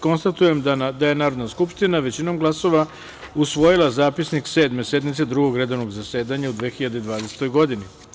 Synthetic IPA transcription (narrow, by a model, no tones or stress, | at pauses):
ko̞nst̪at̪uje̞md̪aje̞naːɾod̪naskupʂt̪inaʋe̞t͡ɕino̞ːmɡlˠaso̞ʋa | usʋo̞jilˠazaːpisnikse̞ːd̪me̞se̞d̪mit̪se̞d̪ɾuɡo̞ɡɾe̞d̪o̞ʋnoɡzase̞ːd̪aɲaud̪ʋeːxiʎad̪ed̪ʋaːd̪ese̥t̪o̞jɡo̞d̪ini